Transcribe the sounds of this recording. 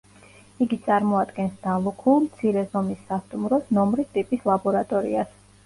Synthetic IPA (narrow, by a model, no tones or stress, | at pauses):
iɡit̪sʼaɾmɔad̪ɡɛnsd̪̥alˠukʰulˠmt̪sʰiɾɛzɔmisːast̪ʼumɾɔsnɔmɾist̪ʼipʼislˠabɔɾat̪ʼɔɾḭas